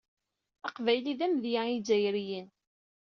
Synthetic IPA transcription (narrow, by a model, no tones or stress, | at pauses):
ɑqvæjliðæmðjaid͡zæjɾijən